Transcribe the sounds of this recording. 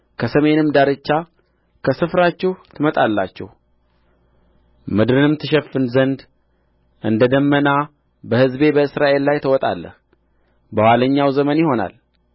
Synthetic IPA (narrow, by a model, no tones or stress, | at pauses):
kʰəsəme̞nɨmd̪aɾɨt͡ʃːa | kʰəsɨfɾat͡ʃːɛht̪ʰɨmət̪ʼalːa̰t͡ʃːɛ̰h | mɨd̪ɾɨnɨmt̪ʰɨʃɛfɨnzənd̪ | ʔɨnd̪əd̪əmːəna | bəhɨzbe̞bəɨsɾaʔe̞lːajt̪ʰəwɔt̪ʼa̰lːə̰h | bəwaləɲːawzəmənjɪho̞na̰l